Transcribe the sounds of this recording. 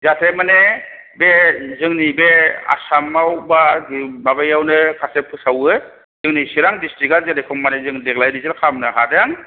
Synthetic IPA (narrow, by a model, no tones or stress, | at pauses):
zatʰemane | bezɯŋnibea̰samawbababajawnɯkʰasepʰɯsawɯ | zɯŋnisiɾaŋdistɾikalzanekʰɯmmanezɯŋdeɡlajɾizɯlkʰamnɯɦadeŋ